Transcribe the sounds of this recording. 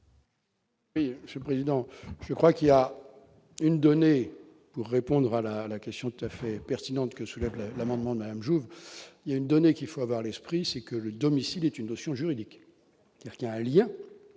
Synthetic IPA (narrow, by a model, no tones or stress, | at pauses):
wiməsjɛlpχezid̪ɑ̃ʒ̥əkχwakilja | ynd̪ɔne | puʁːepɔ̃d̪ʁalalakʲɛst̪jɔ̃t̪ut̪afɛpɛʁt̪inɑ̃t̪kəsulɛvllamɑ̃d̪mɑ̃d̪əmad̪amʒuviljaynd̪ɔnekʲilfoavwaʁlɛspχisɛkələd̪ɔmisilɛt̪ynːɔsjɔ̃ʒyʁid̪ik | kɛlk̪ɛ̃aljɛ̃